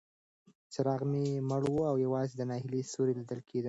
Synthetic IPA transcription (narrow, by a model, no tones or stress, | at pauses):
t͡səɾɑɣmeməɽwuawjawɑzed̪ənɑhɪlesoɾelid̪əlkʰed̪ə